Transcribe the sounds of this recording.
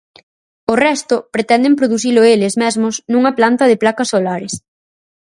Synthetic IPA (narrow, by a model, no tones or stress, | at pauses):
orɛst̪ʊpɾet̪ɛnd̪empɾoðuθilʊelɪzmɛzmʊsnuŋɐplant̪ɐðɪplakɐsːolaɾɪs